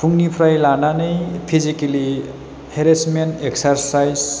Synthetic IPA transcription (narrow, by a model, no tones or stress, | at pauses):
pʰuŋɡnipʰrajlananʌjpʰizikeli | heɾesmeneksarsajz